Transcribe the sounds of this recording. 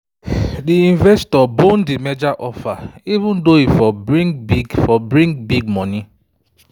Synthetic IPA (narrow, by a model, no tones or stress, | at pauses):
diĩnvɛstɔbon̩dimed͡ʒaʔɔfaivũndoifɔbɾĩŋɡbifɔbɾĩŋɡbiɡ̚mɔni